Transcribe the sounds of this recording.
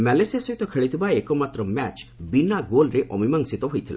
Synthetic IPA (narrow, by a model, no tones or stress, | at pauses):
mɛlesiesɔɦit̪ɔkʰeɭit̪ʰibaekɔmat̪ɾɔmɛt͡ʃbinaɡolɾeʔɔmimaŋsit̪ɔɦojt̪ʰilã̰